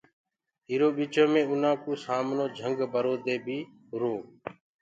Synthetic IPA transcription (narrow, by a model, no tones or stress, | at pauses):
iːɾoːɓiːt͡ʃõːmẽːʊnãːkuːsaːmnõːd͡ʒʱəŋɡbəɾoːd̪eːbʱiː | ɦʊɾoː